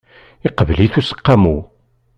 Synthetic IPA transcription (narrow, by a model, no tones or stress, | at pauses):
ɪqəvliθusə̥qːamu